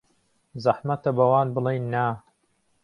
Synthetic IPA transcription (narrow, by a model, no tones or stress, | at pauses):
zɐħmɐt̪ɐbɐwaːnbɨlˠejnːaː